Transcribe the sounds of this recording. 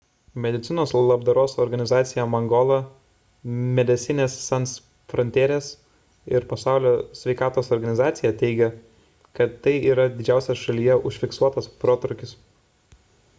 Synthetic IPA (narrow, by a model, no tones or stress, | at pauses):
mʲɛd̪ʲɪt̪sʲɪnoːslˠɐbd̪ɐɾoːsɔɾɡɐnʲɪzɑːt̪sʲɪjɛmɐŋɡɔːlˠɐ | mʲɛd̪ʲɛt̪sʲɪnʲeːsːɐns | fɾɔnʲt̪ʲeːɾʲeːs | ɪɾpɐsɑˑʊlʲoːsʲʋʲɛɪkɑːt̪oːsɔɾɡɐnʲɪzɑːt̪sʲɪjɛt̪ʲɛɪɡʲɛ | kɐt̪ːɐɪiːɾɐd̪ʲɪd͡ʒʲæˑʊsʲɛsʃɐlʲijɛʊʃʲfʲɪksuɔt̪ɐspɾoːt̪ɾʊkʲɪs